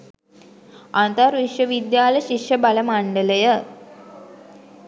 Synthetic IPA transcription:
ant̪əɾʋiʂjəʋid̪jaːləʃiʂjəbaləmaɳɖələjə

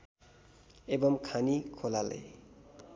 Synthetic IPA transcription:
ebʌmkʰanikʰolalʌ̰j

